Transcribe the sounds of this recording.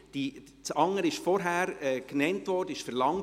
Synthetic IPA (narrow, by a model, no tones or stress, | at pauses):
d̥i | t͡sɑŋːəɾɪʃfɔɾɦæːɾɛːknɛntʋɔɾd̥əɪʃfɛɾlɑŋ